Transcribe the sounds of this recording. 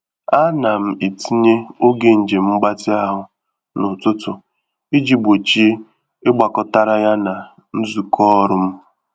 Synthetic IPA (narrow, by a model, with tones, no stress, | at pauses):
a˦na˨m̩˨i˨ti˦ɲe˦o˦ɡe˨n̩˨d͡ʒe˨m̩˦ɡ͡ba˦tɪ˦a˦ɦʊ˨ | nʊ˨tʊ˦tʊ˨ | i˦d͡ʒi˨ɡ͡bo˨t͡ʃi˦e˦ | ɪ˦ɡ͡ba˨kɔ˨ta˦ɾa˦ja˦na˨ | n̩˦zu˨kɔ˦ɾʊ˦m̩˦